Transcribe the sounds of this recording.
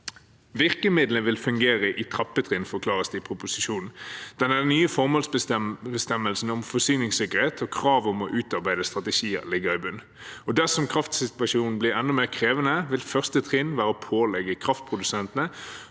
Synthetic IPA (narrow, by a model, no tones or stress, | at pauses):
ʋɪʁkəmɪd̪lnʋɪlfʉŋɡeːʁəʔɪt̪ʰʁɑpːət̪ʰʁɪnfɔʁkʰlɑːʁəsd̪ɛɪpʰɾʊpʊsɪʃuːnnd̪̥ɛnæd̪ɛnyːəfɔʁmoːlsbəbəst̪ɛmːəlsn̩ɔmfɔsyːnɪŋsɪkəʁheːt̪ʰɔkʰʁɑːʋʊmɔʔʉːt̪ɑʁbæɪd̪əst̪ʁɑt̪əʃiːə̰ʁlɪɡəɾɪbʉnː | ɔd̪æʁsɔmkʰʁɑft̪sɪt̪ʋɑʃuːnn̩blɪʁɛnd̪ɔmeːʁkʰʁeːʋənəʋɪlfœʁst̪ət̪ʰʁɪnʋæːɾəəpʰoːlɛɡəkʰʁɑft̪̚pʰʁʊd̪ʉsɛnt̪ənə